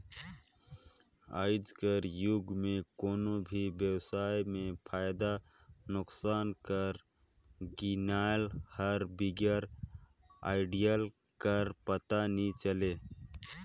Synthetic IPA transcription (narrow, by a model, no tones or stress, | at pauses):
aːɪd͡ʒkəɾjʊɡmẽkoːnobʱibjəwsaːjmẽpʰaːjd̪a | nʊksaːnkəɾ | ɡɪnaːjlhəɾbɪɡjaɾ | a̰ːɪɖijəl | kəɾpət̪anĩt͡ʃəleː